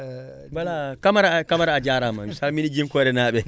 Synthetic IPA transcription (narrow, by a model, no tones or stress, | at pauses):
walakamaɾakamaɾaːd͡ʒaːɾama̰misaːlminid͡ʒimkɔɾɛnaːɓɛ